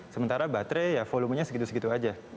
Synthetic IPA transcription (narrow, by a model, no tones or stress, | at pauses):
səmənt̪aɾabat̪ɾɛjafoluməɲasəɡit̪usəɡit̪uad͡ʒa